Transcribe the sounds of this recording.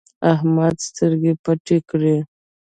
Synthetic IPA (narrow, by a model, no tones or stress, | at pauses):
ahmad̪st̪əɾɡepaʈekɽe